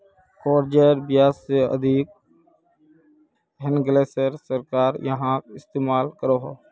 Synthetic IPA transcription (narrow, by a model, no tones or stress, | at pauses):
koːɾd͡ʒəɾbjaːseə̰d̪ʱik̚ | ɦənɡleːsəɾsəɾkaːɾjɐɦãɪst̪eːmaːlkəɾoːɦoː